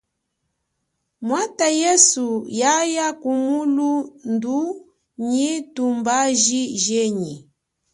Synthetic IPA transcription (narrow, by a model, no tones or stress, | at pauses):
mwatajɛsujajakumulundu | ɲitumbaʒiʒɛɲi